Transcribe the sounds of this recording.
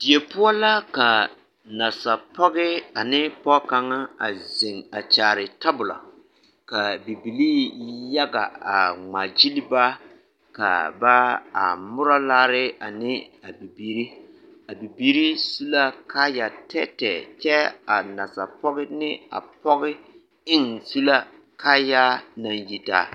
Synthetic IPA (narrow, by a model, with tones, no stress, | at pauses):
d̥ɪ˨e˨pʊ˦ɔ˦la˦ka˨ | na˨sa˨pɔ˦ɣɪ˦a˨nɪ˦pɔ˦ka˨ŋa˦a˨ze˨ŋa˨t͡ʃaː˨ɾɪ˨ta˦bʊ˨la̰˨ | ka˨bi˨bi˨liː˦ja˦ɡa̰˨a˨ŋ͡ma˨d͡ʒi˦li˦ba˦ | ka̰˨ba˦a̰˨mʊ˦ɾa˦laː˦ɾɪ˦a˨nɪ˦a˨bi˨bi˦ɾi˦ | a˨bi˨bi˦ɾi˦su˦la˦kʰa˦ja˨tʰɛ˦tɛ˨t͡ʃɛ˦a˨na˨sa˨pɔ˦ɣɪ˦nɪ˦a̰˨pɔ˦ɣɪ˦ | ɪ˦ŋsu˦la˦ | ka˦ja˦na˨nji˨ta̰ː˨